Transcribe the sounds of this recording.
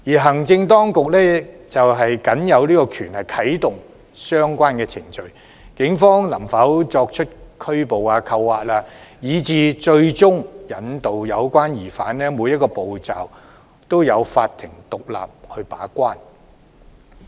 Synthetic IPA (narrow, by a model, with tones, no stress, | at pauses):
jiː˨˩ɦɐ˨˩ŋt͡sɪ˧ŋt̪ɔː˥ŋkʊ˨k̚lɛː˥t͡sɐ˨wɦɐ˨jkɐ˨˥njɐ˨˧wliː˥kɔː˧kʰyː˨˩nhɐ˨jkʰɐ˨˥jt̪ʊ˨ŋ | sœː˥ŋkʷwaː˥nkɛː˧t͡sʰɪ˨˩ŋt͡ʃɵ˨˧ɥ | kɪ˨˥ŋfɔː˥ŋlɐ˨˩mfɐ˨˥wt͡sɔː˧k̚t͡ʃʰɵ˥t̚kʰɵ˥ɥpo˨waː˧kʰɐ˧wːaː˨t̚laː˧jiː˨˧t͡siː˨˧t͡ʃɵ˧ɥt͡sʊ˥ŋjɐ˨˥nt̪o˨wjɐ˨˧wkʷaː˥njiː˨˩faː˨˥nlɛː˥muː˨˧jɐ˥t̚kɔː˧po˨wt͡sa̰ː˨w | t̪o˥wjɐ˨˧wfaː˧t̪ʰɪ˨˩ŋt̪ʊ˨k̚la̰ː˨p̚hɵ˧pa̰ː˨˥kʷaː˥n